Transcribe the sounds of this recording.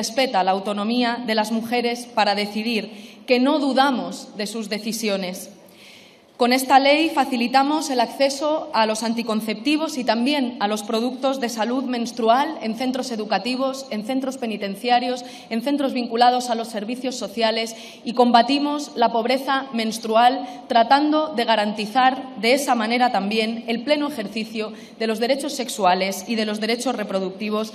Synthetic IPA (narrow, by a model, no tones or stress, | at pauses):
espe̞t̪alaːwt̪o̞nõ̞miaðe̞lazmuxe̞ɾe̞spaɾað̞e̞θið̞iɾke̞no̞ðuðamo̞zðe̞suzðe̞θisjo̞ne̞s | ko̞ne̞st̪ale̞jfaθilit̪amo̞se̞lakθe̞so̞alo̞sant̪iko̞n̟θe̞p̚t̪iβ̞o̞sit̪ambje̞nalo̞spɾo̞ð̞uk̚t̪o̞zðe̞saluðmẽ̞nst̪ɾuale̞nθe̞nt̪ɾo̞se̞ðukat̪iβ̞o̞se̞nθe̞nt̪ɾo̞spe̞nit̪ẽ̞n̟θjaɾjo̞s | e̞nθe̞nt̪ɾo̞zβiŋkulað̞o̞salo̞sːe̞ɾβ̞iθjo̞sːo̞θjale̞s | iko̞mbat̪imo̞zlapo̞βɾe̞θamẽ̞nst̪ɾualt̪ɾat̪and̪o̞ðe̞ɣ̞aɾant̪iθaɾðe̞esamãne̞ɾat̪ambje̞ne̞lple̞noexe̞ɾθiθjo | ðe̞lo̞zð̞e̞ɾet͡ʃo̞sːe̞ksuale̞sið̞e̞lo̞zðe̞ɾe̞t͡ʃo̞sre̞pɾo̞ðuk̚t̪iβ̞o̞s